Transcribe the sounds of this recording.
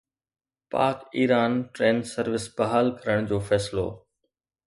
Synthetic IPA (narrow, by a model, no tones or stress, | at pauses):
pa̰ːkiːɾaːnʈɾeːnsɐɾʋɪsbɐɦaːlkɐɾəɽ̃d͡ʑoːfɛːsɪlo̰ː